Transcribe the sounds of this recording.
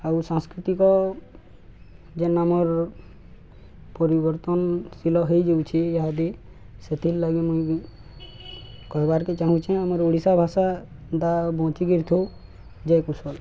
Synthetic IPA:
awsãŋskɾit̪ikɔ | d͡ʒenamɔɾ | pɔɾibɔɾt̪ɔnsilɔɦejd͡ʒewt͡ʃʰiːɦad̪i | set̪ʰillaɡemũĩ | kɔɦebaɾket͡ʃaɦũt͡ʃʰɛ̃amɔɾoɽisabʱasa | d̪abɔ̃t͡ʃiɡiɾt̪ʰo | d͡ʒajkusɔl

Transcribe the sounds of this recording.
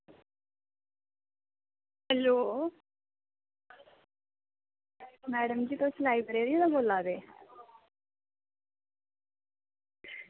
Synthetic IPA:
hɛloː | mɛːɽəmd͡ʑiːt̪oslaːibəɾeːɾiet̪aboːlad̪eː

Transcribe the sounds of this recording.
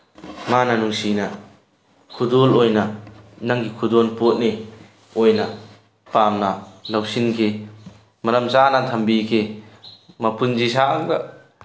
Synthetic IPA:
manɐnuŋsinɐ | kʰudolojnɐnaŋɡikʰudonpot̚ne | ojnɐ | pamnɐlɐwsinkʰe | mɐɾɐmt͡ʃanat̪ʰɐmbikʰe | mɐpund͡ʒisaŋda

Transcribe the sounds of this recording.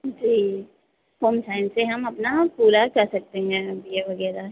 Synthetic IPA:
d͡ʒiː | hoːmsaːɪnseɦɐmɐpnapuːɾakɐɾsɐk̚t̪eɦɛ̃bʱieʋɐɡɛːɾa

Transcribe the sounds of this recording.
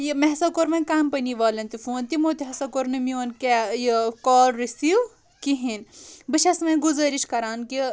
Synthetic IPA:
jimeɦɐsɐkoɾmɐnkɐmpɐniʋaːlɐnt̪ifuːnt̪imoːt̪iɦɐsɐkoɾnɨmionkejikɔːlɾisiːw | kiɦinbɨʃɐsmɐ̃ɡuzɐɾiʃkɐɾaːnki

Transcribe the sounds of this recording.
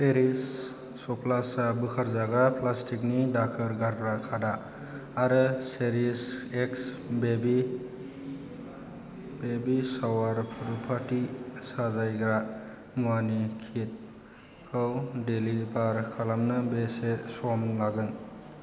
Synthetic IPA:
seɾisː | ɔplasabɯkʰaɾzaɡɾaplastʰiknidak̚ʰɯɾɡaɾɡɾakʰadaː | ɾɯseɾiseks | bebi | bebisawaɾpʰuɾupʰatisazajɡɾa | muanikʰit̚ | kʰɯwdelibaɾkʰalamnɯbesesɔmlaɡɯn

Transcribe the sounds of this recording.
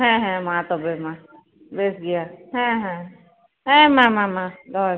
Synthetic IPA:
ɦɛ̃ɦɛ̃mãt̪ɔbemã | beːsɡijaɦɛ̃ɦɛ̃ | ɦɛ̃mãmãmãd̪ɔ

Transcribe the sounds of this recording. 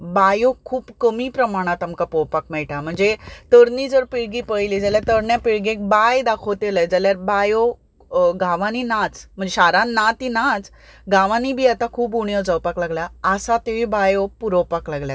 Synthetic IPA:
bajokʰuːbkəmiːpɾəmaɽ̃at̪amkapɔwpak̚mɛɭʈam̤əɳd͡zet̪əɾniːd͡zəɾpiɽɡiːpəjlid͡zaljaɾt̪əɾɳjapiɭɡẽk̚bajd̪akʰot̪eləjd͡zaljaɾbajo | ɡaʋãninat͡sm̤əɳd͡zeɕaɾãnnat̪inat͡s | ɡaʋãnibʱiːat̪akʰuːpuɳjɔd͡zəwpaklaɡljaəsat̪eʋibajopuɾopaklaɡljat̪

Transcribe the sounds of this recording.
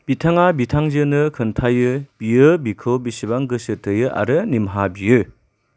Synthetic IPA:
b̥itʰaŋabitʰaŋzɯnɯkʰɯntʰajɯb̥ijɯbikʰɯbisibaŋɡɯsɯtʰɯjɯʔa̰ɾɯnimɦabijɯ

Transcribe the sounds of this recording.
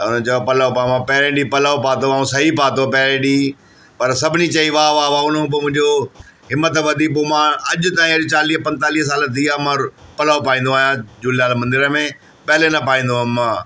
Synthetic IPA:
ʊnət͡ɕɐjopɐlaːopamãpɛɦɾẽɗipɐlaːopaːt̪oãːũsɐɦipaːt̪opɛɦɾẽɗiː | pɐɾsɐbʱɪnĩt͡ɕɐiʋaːʋaːʋaːʊnõp̬oːmʊ̃ɪ̃ɲd͡ʑo | ɦɪmːət̪ʋɐd̪ʱip̬oːmãɐʄʊt̪aːĩɐʄt͡ɕaːliːɦpɐ̃nt̪aːliːɦəs̬aːlət̪ʰiːamãpɐlaːopaːĩːnd̪oaːɦjãd͡ʑuːljaːlmɐ̃nd̪ɪɾəmẽ | pɛɦɪlenɐpaːĩːnd̪oãmːãː

